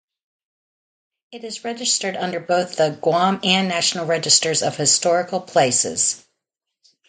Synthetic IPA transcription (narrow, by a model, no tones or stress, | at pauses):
ɨɾɨzɹɛd͡ʒɨstə˞ɾʌ̃ndə˞boʊθðəɡwɑ̃mɨ̃nːæʃn̩l̩ˠɹɛd͡ʒɨstə˞zʌv̥hɨstɔɹɨkl̩ˠpʰl̥eɪsɪ̰z̥